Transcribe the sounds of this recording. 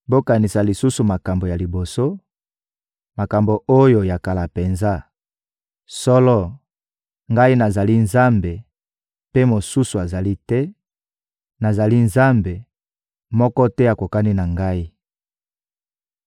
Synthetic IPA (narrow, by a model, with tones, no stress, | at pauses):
bo˦ka˨ni˨sa˨li˨su˦su˨ma˨ka˨mbo˨ja˨li˨bo˨so˦ | ma˨ka˨mbo˨ʔo˦jo˨ja˨ka˨la˨pe˨nza˦ | sɔ˦lɔ˦ | ŋɡa˦i˦na˨za˨li˦nza˦mbe˨ | pe˦mo˨su˦su˨a˨za˨li˦tɛ˦ | na˨za˨li˦nza˦mbe˨ | mɔ˦kɔ˦tɛ˦a˨ko˨ka˦ni˦na˨ŋɡa˦i˦